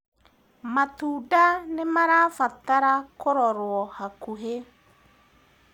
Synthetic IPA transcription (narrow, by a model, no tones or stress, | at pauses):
matuːdanemaɾaːfataɾakoɾɔɾwɔhakuɦe